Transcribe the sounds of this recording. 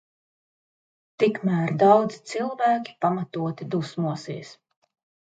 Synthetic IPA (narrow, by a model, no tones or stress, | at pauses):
t̪ikmæːɾd̪awd̪zi̥t̪silˠvæːkʲi̥pamat̪uɔt̪id̪usmuɔsḭɛs